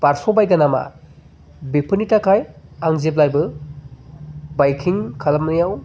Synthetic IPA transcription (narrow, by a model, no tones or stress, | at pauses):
paɾsobajɡɐnama̰ | bepʰɯnitakʰajaŋzep̬lajbɯ | bajkʰiŋkʰalamnɯjaw